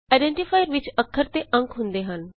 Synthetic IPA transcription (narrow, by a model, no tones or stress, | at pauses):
aɪɖẽɳʈifʰaːjəɾʋɪt͡ʃəkʰːəɾt̪eʔə̃ŋkɦʊ̃nd̪eɦən